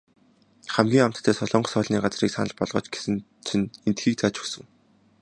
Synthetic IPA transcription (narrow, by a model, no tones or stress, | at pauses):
χæmɡʲiːŋam̥t̪ːʰæːsɔɮɞːɴɢɞsœːɮniːɢat͡sriːksa̰nə̆ɮpɔɮʁɞ̰̆ːt͡ɕɡe̥sɘ̆n | t͡sʰɵ̆nent̪xiːk̚t͡sʰaːt͡ɕɵ̥sɵ̆ŋ